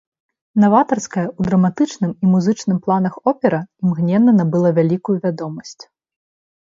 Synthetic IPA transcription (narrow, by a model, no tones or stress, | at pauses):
navat̪ɐrskɐjɐud̪ɾɐmat̪ɨt͡ʂnɨmimuzɨt͡ʂnɨmplˠanɐxɔpʲɛɾɐimɣnʲɛnːɐnɐbɨlˠavʲalʲikujuvʲad̪ɔmɐsʲt͡sʲ